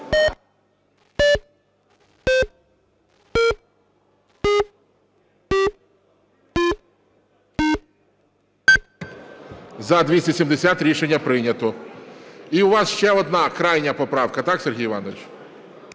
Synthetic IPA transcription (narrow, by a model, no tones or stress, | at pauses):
zɐd̪ʲʋʲisʲtʲɐsʲimd̪esʲat̪ɾʲiʃenʲːɐpɾɪnʲɐt̪ɔ | iʊʋɑsʃt͡ʃɛɔd̪nɑkɾɑjnʲɐpɔpɾɑwkɐt̪ɑksʲerɦijʋɑnɔʋɪt͡ʃ